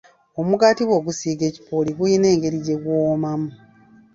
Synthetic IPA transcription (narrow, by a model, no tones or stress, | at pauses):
o̞muɡatiβoːɡusiːɡe̞ːci̥pʰoːliɡujine̞ːŋɡe̞ɾiɟe̞ɡwoːmamu